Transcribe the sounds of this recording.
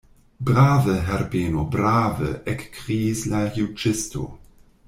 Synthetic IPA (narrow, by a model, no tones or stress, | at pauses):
bʁaːvəɦɛrbeːnobraːvə̰ʔɛkːʁiːslajut͡ʃɪsto̰